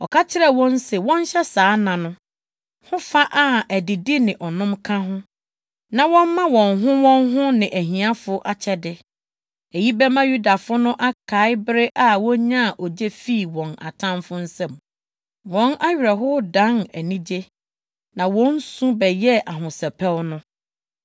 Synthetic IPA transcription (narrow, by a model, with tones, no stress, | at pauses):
ɔ˨kʰa˦t͡ɕʰɪ˦ɾɛ˦wɔ̃˦n˦sɛ˨wɔ̃˦n˦ɕɛ˦saː˨˦nã˨nʊ̃˦ | hʊ̃˦fa˦ʔa˦æ˨dɪ˨dɪ˦nɪ̃˨ʔɔ˨nʊ̃˦mkʰã˦ɦʊ̃˦ | nã˨wɔ̃˦mmã˦wɔ̃˨nɦʊ̃˦wɔ̃˦nɦʊ̃˦nɪ̃˨ʔæ˨ɦĩ˨a˦fʊ˦ʔa˨t͡ɕʰɛ˦dɪ˨ | e˨ji˦bɛ˦mã˦ju˦da˨fʊ˦nʊ̃˦ʔa˦kʰa˨˦ɪ˦bɾɪ˦ʔa˦wɔ̃˦ɲã˦˨ʔɔ˨d͡ʑe˦fi˦˨wɔ̃˨na̰˨tʰã˦mfʊ˦n̩˦sɛ̃˦˨m | wɔ̃˦nʔa˦ɥᶣɛ˨ɦʊ˦dã˨˦næ˨nĩ˦d͡ʑe˦ | nã˨wɔ̃˦n̩˦sũ˦bɛ˨jɛ˦ʔa˨ɦʊ̃˨sɛ˨pʰɛ˦wnʊ̃˦